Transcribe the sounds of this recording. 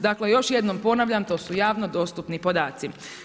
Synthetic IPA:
d̪akle̞jo̞ʃje̞d̪no̞mpo̞naʋʎamt̪o̞ːsujaːʋno̞d̪o̞st̪upnipo̞d̪aːt̪si

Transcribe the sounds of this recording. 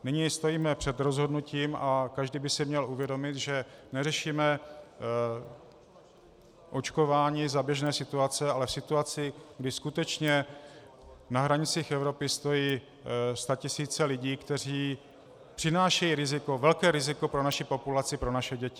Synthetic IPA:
nɪɲist̪o̞jiːmɛpr̝̥ɛd̪ɾo̞zɦodnuciːmakaʒdiːbɪsɪmɲɛluvjɛdo̞mɪt̪ʒɛnɛrɛʃiːmɛ | ʔo̞t͡ʃko̞vaːɲiːzabjɛʒnɛːsɪt̪uat͡sɛalɛfsɪt̪uat͡sɪɡdɪskut̪ɛt͡ʃɲɛ | naɦɾaɲɪt͡siːxɛvɾo̞pɪst̪o̞jiː | st̪acɪsiːt͡sɛlɪɟiːkt̪ɛr̝iː | pr̥ɪnaːʃɛjiːɾɪzɪko̞vɛlkɛːɾɪzɪko̞pɾo̞naʃɪpo̞pulat͡sɪpɾo̞naʃɛɟɛcɪ

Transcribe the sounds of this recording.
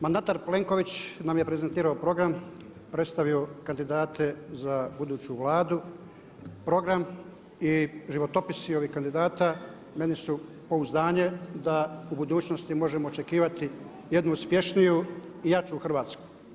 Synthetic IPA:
mand̪at̪aɾple̞ŋko̞ʋit͡ɕnamje̞pɾe̞ze̞nt̪iːɾaopɾo̞ɡɾam | pɾet̪st̪aʋio̞kand̪id̪aːt̪ʰe̞zabud̪uːt͡ɕuʋlˠaːd̪u | pɾo̞ɡɾam | iʒiʋo̞t̪o̞pisio̞ʋiːhkand̪id̪aːt̪a | me̞nisu | po̞uzd̪aːɲe̞d̪aubud̪uːt͡ɕno̞st̪imo̞ʒemo̞ːt͡ʃe̞kiːʋat̪i | je̞d̪nuuspje̞ʃnijuijat͡ʃuxrʋaːt̪sku̥

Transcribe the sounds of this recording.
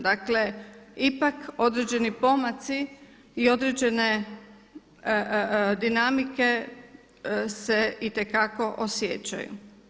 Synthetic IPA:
d̪akle̞ipako̞d̪ɾed͡ʑe̞nipo̞mat̪si | io̞d̪ɾed͡ʑe̞ne | d̪inamike̞ | se̞it̪e̞kako̞ʔosjḛt͡ɕa̰jṵ

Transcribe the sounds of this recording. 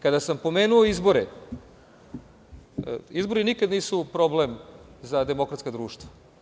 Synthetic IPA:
kad̪asampo̞me̞ːnuoizboɾe | izbo̞ɾinikad̪niːsupɾoblemzad̪e̞mo̞kɾat̪skad̪ɾuːʃt̪ʋa

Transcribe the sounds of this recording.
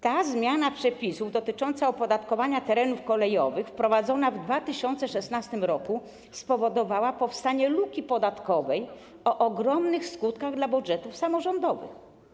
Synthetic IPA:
t̪azmʲjanapʂɛpʲisuvd̪ɔt̪ɘt͡ʂɔnt̪saɔpɔd̪at̪kɔvaɲat̪ɛɾɛnufkɔlɛjɔ̰vɘxfpɾɔvad̪zɔnavd̪vat̪ɘɕɔnt̪sɛʂɛsnast̪ɘmɾɔku | spɔvɔd̪ɔvawapɔfst̪aɲɛlukʲipɔd̪at̪kɔvɛj | ɔʔɔɡɾɔmnɘxskut̪kaɣd̪labud̪ʐɛt̪ufsamɔʐɔnd̪ɔvɘ̰x

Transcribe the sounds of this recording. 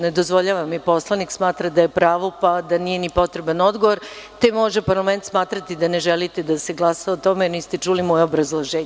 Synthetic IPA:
ne̞d̪ozʋo̞ʎaːʋamipo̞slˠaniksmaːt̪ɾad̪ajepɾaːʋo̞pad̪anije̞nipo̞t̪ɾebano̞d̪ɡoʋoɾ | t̪e̞mo̞ʒepaɾlˠame̞nt̪smaːt̪ɾat̪id̪aneʒelit̪ed̪aseɡlˠasaot̪o̞menist̪et͡ʂulimojeobɾazlˠoʒeːɲe

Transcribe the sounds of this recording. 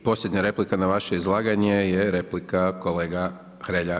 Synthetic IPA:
po̞slje̞d̪ɲaɾe̞plikanaʋaʃe̞izlˠaːɡaɲejeɾe̞plikako̞leːɡa | xɾeʎa

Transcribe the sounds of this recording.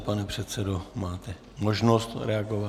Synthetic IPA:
panɛpr̥ɛt̪sɛdomaːt̪ɛ | moʒnost̪ɾɛaɡova

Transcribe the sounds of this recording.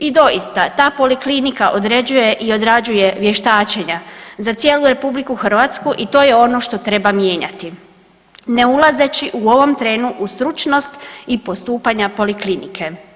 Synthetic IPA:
id̪o̞jist̪at̪aːpo̞liklinikaʔo̞d̪ɾe̞d͡ʑuje̞ʔio̞d̪ɾad͡ʑuje̞ʋje̞ʃt̪aːt͡ɕe̞ɲazat̪sje̞ːluɾe̞publikuxr̩ʋat̪skuʔit̪o̞ːje̞o̞no̞ʃt̪o̞t̪ɾe̞bamje̞ːɲa̰t̪i | ne̞ulˠaze̞t͡ɕiʔuo̞ʋo̞mt̪ɾe̞ːnuʔust̪ɾut͡ʃno̞st̪ipo̞st̪uːpaɲapo̞liklinikʰe̞

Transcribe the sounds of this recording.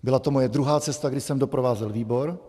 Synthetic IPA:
bɪlat̪omojɛd̪ɾuɦaːt͡sɛst̪aɡdɪsɛmdopɾovaːzɛlviːbo̞ɾ

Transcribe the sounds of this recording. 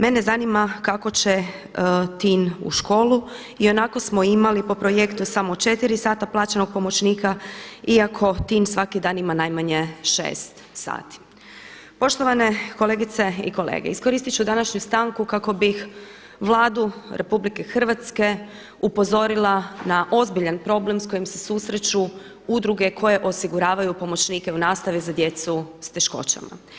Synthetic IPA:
menezanimakako̞t͡ɕe | t̪iːnṵʃko̞ːlˠu | io̞nako̞smo̞imalipo̞pɾojekt̪usamot͡ʃe̞t̪iɾisaːt̪aplˠaːt͡ɕeno̞ɡ̥̚pomo̞t͡ɕniːkaiakʰo̞t̪iːnsʋakid̪aːnimanajmaɲe̞ʃḛːst̪ | sa̰ːt̪i̥ | po̞ʃt̪oʋane̞ko̞le̞ɡit̪se̞ḭko̞lḛːɡḛisko̞ɾiːst̪it͡ɕud̪anaʃɲust̪aːŋkukako̞bix | ʋlˠaːd̪uɾʔe̞publike̞xr̩ʋat̪ske̞ | upo̞zo̞ɾilˠanaʔo̞zbiʎanpɾo̞ble̞msko̞jimsesusɾet͡ɕu | ud̪ɾuɡe̞kʰo̞je̞ʔo̞siɡuɾaːʋajupo̞mo̞t͡ɕniːke̞unaːst̪aʋizad̪je̞t̪sust̪e̞ʃko̞̰t͡ɕa̰ma̰

